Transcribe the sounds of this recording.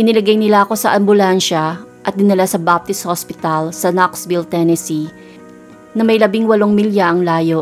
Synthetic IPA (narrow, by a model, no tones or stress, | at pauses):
ʔɪnɪlɐɡɐjnɪlaʔɐko̞sɐʔɐmbʊlanʃɐ | ʔɐt̪̚d̪ɪnɪlasɐbap̚t̪ɪshospɪt̪ɐlsɐnaksbɪlt̪ɛnɛsi | nɐmɐjlɐbɪŋwɐloŋmiljaʔɐŋlaːjo̞